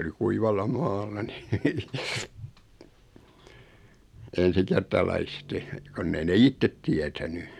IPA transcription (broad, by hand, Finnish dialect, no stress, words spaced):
oli kuiʋɑlːɑ mɑːlːɑ ni ensikertɑlɑiste konː ei ne itːet tiætæny